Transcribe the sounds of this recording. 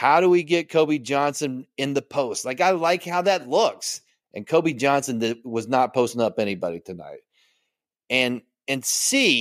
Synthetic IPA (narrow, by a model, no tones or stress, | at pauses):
haʊɾəwiɡɛt̚kʰoʊbid͡ʒɑ̃nsɨ̃nɨ̃nðɨpʰoʊst̚laɪkaɪlaɪkhaʊðɨtˡlʊks | ʔɨ̃nkʰoʊbid͡ʒɑ̃nsɨ̃nðɨwʌznət̚pʰoʊstɪ̃ŋʌpɛñibɑ̰ɾitʰɨna̰ɪt̚ | ɨ̃n | ɨ̃nsi